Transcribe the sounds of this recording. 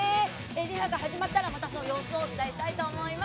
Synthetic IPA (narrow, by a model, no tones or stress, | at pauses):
e | eɾʲiɦaɡahaʑimat̪ːaɾamat̪asonojo̞ːsoːt͡sɨd̪aiɕi̥t̪ait̪o̞ːmo̞ima